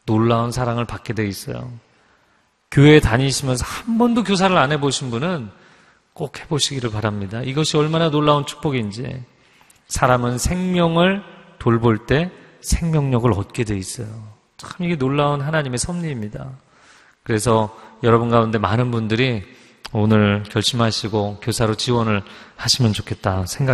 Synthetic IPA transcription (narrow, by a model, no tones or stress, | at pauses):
noɭːaunsʰaɾaŋɯɭpak͈̚e̞dwe̞is͈ʌjo̰ | kjoetaɲiɕʰimjʌns̬ʰʌhambʌndok̬jos̬ʰaɾɯɾanɦe̞boɕʰinbunɯn | k͈okhe̞boɕʰiɡiɾɯɭpaɾamɲidaʔiɡʌɕʰiʌɭmananoɭːaunt͡ɕʰu̥k̚p͈ʌɡind͡ʑḭ | sʰaɾamɯnsʰe̞ŋmjʌŋɯɭtoɭboɭt͈e̞ | sʰeŋmʲjʌŋɲʌɡɯɾʌt̚k͈e̞dwe̞is͈ʌjo | t͡ɕamiɡe̞noɭːaunɦanaɲime̞sʰʌmɲiːmɲida | kɯɾe̞sʰʌjʌɾʌbunɡaunde̞manɯnbundɯɾi | onɯɭkjʌɭɕ͈imɦaɕʰiɡokjosʰaɾot͡ɕiwʌnɯɭhaɕʰimjʌnt͡ɕokʰe̞t̚t͈asʰe̞ŋɡa